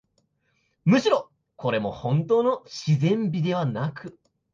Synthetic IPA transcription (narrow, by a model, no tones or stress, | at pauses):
mɯ̟ɕiɾo̞ | ko̞ɾe̞mo̞hõ̞nt̪o̞ːno̞ɕizẽ̞mbʲid̪e̞β̞anakɯ̟